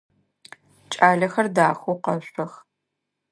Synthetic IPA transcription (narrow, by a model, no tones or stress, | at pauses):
t͡ʃʼaːɮɐxɐrdaːxʷuqɐɕʷʼɐx